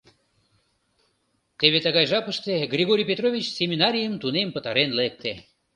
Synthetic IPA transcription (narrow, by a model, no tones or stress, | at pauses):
t̪eβet̪əɣɑjʒɑpəʃt̪eɡrʲiɣoɾʲijpʲet̪rovʲit͡ɕsʲemʲinɑɾʲijəmt̪unempət̪ɑɾenlek̚t̪e